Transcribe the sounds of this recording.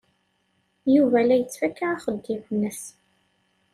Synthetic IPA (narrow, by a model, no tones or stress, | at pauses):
juvælæjət͡sːfækːaʕaχəd̪ːivnːəs